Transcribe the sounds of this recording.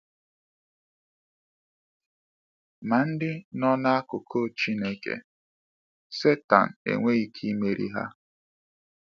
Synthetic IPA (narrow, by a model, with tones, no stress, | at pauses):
ma˨n̩˦dɪ˦nɔ˦na˦a˦kʊ˨kʰo˦˨t͡ʃi˦ne˦kḛ˦˨ | se˦ta̰˨n̩˨ḛ˨ŋʷe˦i˦kʰi˦me˦ɾḭ˦ɦa̰˦